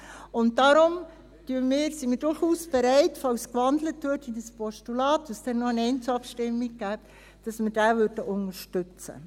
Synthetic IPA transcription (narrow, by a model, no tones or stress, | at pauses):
ʊnt̚dɑɾʊm | tyəmɪːɾsimɪːɾdʊɾχuːsb̥eɾɛɪtfɑlskʋɑndlətːuətidəspʰɔʃtulɑːtəstɛnnːɔənɛɪnt͡suɑpʃtɪmːiɡ̚ɡæːp | d̥ɑsməd̥æːvøɾdəʔʊnəʃtʏt͡sə̰